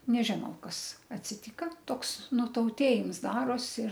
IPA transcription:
nʲɛˈʒʲɪnɐʊ ˈkɐs ɐtʲsʲɪˈtʲiːkɐ ˈtoːks nʊtɐʊˈtʲeːjɪms ˈdɑːroːs ɪr

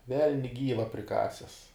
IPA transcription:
ˈʋʲɛlʲnʲɪ ˈɡʲiːʋɐ pʲrʲɪˈkɑːsʲɛs

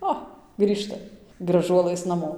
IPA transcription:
ˈoː ˈɡrʲiːʃtɐ ɡrɐˈʒuɔlˠɘs nɐˈmoː

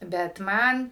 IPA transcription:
bʲɛt ˈmɐn

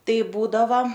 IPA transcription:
ˈtɐɪ ˈbuːdɐʋɐ

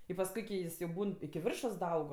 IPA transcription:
ɪ pɐsˈkʊɪ kʲɪ ˈjɪs jɛʊ ˈbuːn ɪkʲɪ ˈʋʲɪrʃoːs dɐˈɐʊk

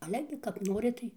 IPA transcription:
ˈɑːlʲɛ ɡʲɪ kɐp ˈnoːrʲɪ ˈtɐɪ

